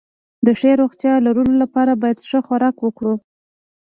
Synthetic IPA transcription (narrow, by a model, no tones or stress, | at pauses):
d̪əʂeɾoɣt̪jɑlaɾulolapɑɾabɑjad̪ʂəxaɾɑkwəkɽu